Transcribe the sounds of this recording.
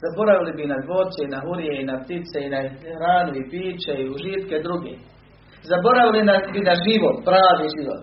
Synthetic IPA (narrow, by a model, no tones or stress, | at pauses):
zabo̞ɾaʋilibinad̪boːd̪t̪seinaɦuɾijeinap̚t̪it̪seinahɾaːnuipiːt͡ʃeiuʒiːt̪ked̪ɾuɡḛː | zabo̞ɾaʋilinasbinaʒiʋot̪pɾaːʋiʒiʋo̰t̪